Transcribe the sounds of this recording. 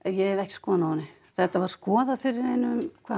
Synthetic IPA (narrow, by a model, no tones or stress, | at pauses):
jɛvɛhcskɔːðanaanːɪ | θɛht̪ːavaɾ̥skɔːðafɪɾɪɾ̥hejnːɪʏmkʰvaː